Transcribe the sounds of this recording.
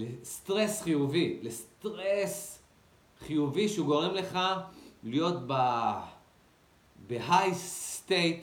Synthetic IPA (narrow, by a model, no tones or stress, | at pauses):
lest̪ʁe̞sχijuvilest̪ʁes | χijuviʃeuɡo̞ʁe̞mle̞χalijo̞tba | beɦajst̪ejt̪